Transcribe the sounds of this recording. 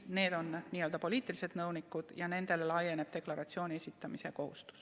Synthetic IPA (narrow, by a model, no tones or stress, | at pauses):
ne̞ːd̪o̞nniːøld̪ɑpo̞liːt̪ːˑilise̞d̪̥nɤwnikːˑud̪̥jɑne̞nd̪e̞lelɑjːene̞b̥̚t̪e̞klɑɾɑt̪sio̞ːnʲiesʲit̪ːˑɑmiseko̞hṵst̪u̥s